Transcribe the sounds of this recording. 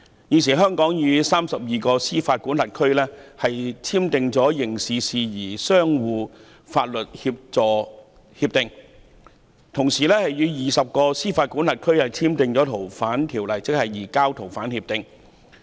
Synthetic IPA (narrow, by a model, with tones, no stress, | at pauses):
jiː˨˧ns̬iː˨˩ɦœː˥ŋkɔː˨˥ŋjyː˨˧saː˥msɐ˨p̚jiː˨˧kɔː˧siː˥faː˧t̚kuː˨˥nlɐ˨t̚kʰɵ˥ɥlɛː˥hɐ˨jt͡sʰiː˥mt̪ɪ˨ŋt͡sɔː˨˥jɪ˨˩ŋsiː˨siː˨jiː˨˩sœː˥ŋwuː˨˧ | faː˧t̚lɵ˨t̚hiː˧p̚t͡sɔː˨ | hi˧p̚t̪ɪ˨ŋ | t̪ʰʊ˨˩ŋsiː˨˩lɛː˥hɐ˨jjyː˨˧jiː˨˩sɐ˨p̚kɔː˧siː˥faː˧t̚kuː˨˥nla˨t̚kʰɵ˥ɥhɐ˨jt͡sʰiː˥mt̪ɪ˨ŋt͡sɔː˨˥t̪ʰo˨˩wfaː˨˥nt̪ʰiː˨˩wlɐ˨˩jt͡sɪ˥k̚hɐ˨jːiː˨˩kaː˥wt̪ʰo˨˩wfaː˨˥nhi˧p̚t̪ɪ˨ŋ